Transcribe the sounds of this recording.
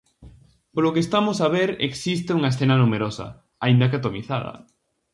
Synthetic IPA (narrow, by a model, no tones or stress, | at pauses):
polokeːst̪amʊsaβeɾḛksist̪euŋɐesθenɐnumeɾosɐ̰ | aind̪ɐkat̪omiθaðɐ̰